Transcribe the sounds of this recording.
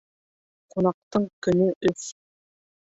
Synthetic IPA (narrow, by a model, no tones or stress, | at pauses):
qunɑq̚t̪ɤɴkɵ̆nɵʔɵs